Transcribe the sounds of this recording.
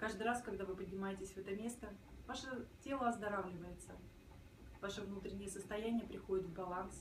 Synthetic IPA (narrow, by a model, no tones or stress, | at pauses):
kaʐd̪ɨraskɐɡd̪avɨpədʲnʲɪmajɪtʲɪsʲvɛt̪əmʲe̞st̪əvaʂətʲe̞lˠəɐzd̪ɐɾavlʲɪvəjɪt̪sə | vaʂəvnut̪ɾʲɪnʲːɪjəsəst̪ɐjænʲɪjəpɾʲɪxo̞dʲɪt̪vbɐlˠans